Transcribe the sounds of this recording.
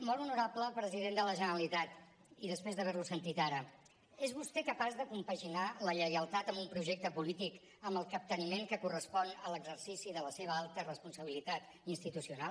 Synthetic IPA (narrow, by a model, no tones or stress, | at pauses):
mɔlˠunuɾapləpɾəziðend̪ələʒənəəlit̪at̪ | iðəspɾezðəβɛɾlusənt̪it̪aɾə | ezβust̪ekəpazðəkumpəʒinaləʎəjəlˠt̪at̪əmbumpɾuʒɛk̚t̪əpulit̪ik | əmbəlˠkəp̚t̪ənimeŋkəkurəspɔnələɡzərsisiðələseβ̞əalˠt̪ərəspunsəβ̞ilit̪at̪ | inst̪it̪usiunal